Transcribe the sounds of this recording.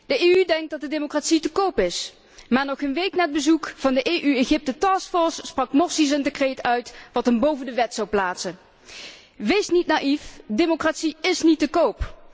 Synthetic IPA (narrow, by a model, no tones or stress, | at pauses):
d̥əeːydɛŋk̚dɑt̚dədemokraːtsitəkowpɪs | maːɹnɔχənʋejknaːəd̚bəzukv̥ɑndəʔeːʔyeɣɪp̚tətɑːskfɔɹsːprɑkmɔɹsis̬əndəkrejtœɥtʋɑtɦənbowvəndəʋɛtsɑwplaːtsən | ʋejsnitnaːʔifdemokratsiɪsnitəkowp